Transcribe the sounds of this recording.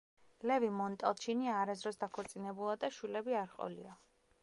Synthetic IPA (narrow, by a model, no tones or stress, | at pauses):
lɛvimɔnt̪ʼalˠt͡ʃʰiniaɾazɾɔsd̪akʰɔɾt̪sʼinɛbulˠad̪aʃwilɛbiaɾqʼɔ̰lḭa